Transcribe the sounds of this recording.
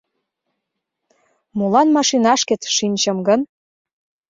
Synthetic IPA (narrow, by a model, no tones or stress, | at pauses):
mulɑnmɑʃinɑʃket͡sʃinʲt͡ɕə̆mɡən